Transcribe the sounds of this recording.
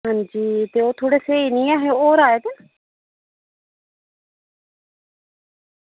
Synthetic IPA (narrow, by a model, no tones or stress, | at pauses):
ɦãɲd͡ʒiːt̪eːoːt̪ʰoːɽeːseinĩːaːɦeoːɾaːed̪ɪn